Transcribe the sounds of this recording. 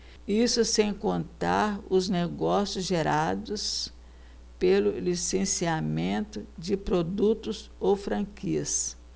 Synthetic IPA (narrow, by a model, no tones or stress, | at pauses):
isʊsẽj̃kõnt̪a̰ɾʊzneɡɔsjʊzʒeɾad̪ʊs | pelʊlisẽsiamẽnt̪ʊd͡ʒɪpɾod̪ut̪ʊzowfɾɐ̃kiɐs